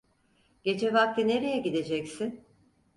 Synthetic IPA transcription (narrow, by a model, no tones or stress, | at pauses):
ɟ̥e̞d͡ʒɛvak̚t̪ʰine̞ɾejɛɟid̪e̞d͡ʒɛcsin